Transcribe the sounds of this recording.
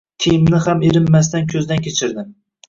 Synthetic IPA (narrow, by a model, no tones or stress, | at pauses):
t̪ʰijmnɪhameɾɪmːas̬t̪ankʲʰɵzd̪ankʲʰet͡ʃʰɪɾd̪ɪm